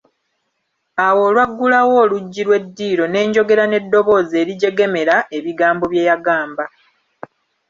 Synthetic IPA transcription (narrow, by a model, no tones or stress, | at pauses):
awo̞ːlwaɡːulawo̞ːluɟːilwe̞dːiːɾo̞ne̞ːɲɟo̞ɡe̞ɾane̞dːo̞βo̞ːze̞ːɾiɟe̞ɡe̞me̞ɾae̞βiɡaːmbo̞βje̞ːjaɡaːmba